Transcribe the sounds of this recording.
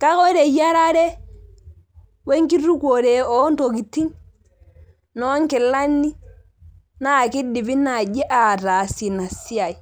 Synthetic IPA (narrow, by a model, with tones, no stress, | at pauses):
ka˦kɔ˦ɾe˨ja˦ɾa˦ɾɛ˦ | wɛ˦ŋki˦ɾu˦ko˨ɾɛ˨ɔ˦n˦to˨ki˨tːi˦ŋ | nɔ˦ŋkɛ˨lːa˦nːi˦ | na˦˨ki˦di˨bi˦na˨d͡ʒɛ˦ʔa˨ɾaː˨si˨na˨si˦a˨i˨